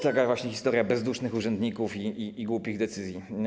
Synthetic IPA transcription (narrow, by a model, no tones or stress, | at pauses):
t̪akavwaɕɲɛxʲist̪ɔɾʲjabɛzd̪uʂnɘxuʐɛnd̪ɲikufiiːɡwupʲiɣd̪ɛt̪sɘzʲji